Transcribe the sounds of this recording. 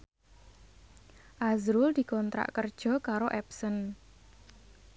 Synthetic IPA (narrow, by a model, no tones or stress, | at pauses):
ʔazɾʊld̪̥i̤kɔnt̪ɾa̰ʔkərd̥ʒ̥ɔ̤kaɾoʔɛpsən